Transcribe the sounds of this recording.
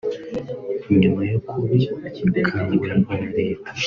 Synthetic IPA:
iɲumajokʰuɾiacidakʰaːndiwamajaɾe̞ːtʰḁ

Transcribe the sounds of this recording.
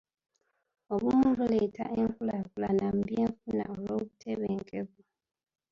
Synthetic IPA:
oβumuβuleta̰ʔeŋkulakulanam̩bjeːɱfuna̰olwo̞ːβutʰeβe̞ːŋkeβu

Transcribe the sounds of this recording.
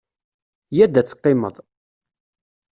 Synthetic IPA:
jæd̪æt͡sːə̥qːɪmə̰ðˤ

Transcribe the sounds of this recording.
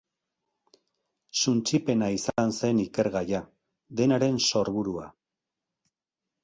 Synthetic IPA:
sunt͡ʃipe̞naisnse̞nike̞ɾɣaja | d̪e̞naɾe̞nso̞ɾβuɾua̰

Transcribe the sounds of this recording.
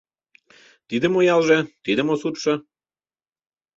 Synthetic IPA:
t̪id̪əmojɑlʒet̪id̪ə̆mosut̪ʃə̆

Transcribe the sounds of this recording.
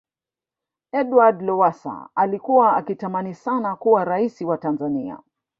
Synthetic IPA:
ɛdwadlɔwasa̰alikuwaakitamanisanakuwaɾaisiwatanzania̰

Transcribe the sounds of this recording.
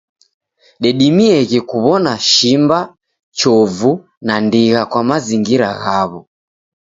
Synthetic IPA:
ɗɛɗimiɛɣɛkuβɔnaʃimba | t͡ʃɔvu | nandiɣakwamaziŋɡiɾa̰ɣaβɔ

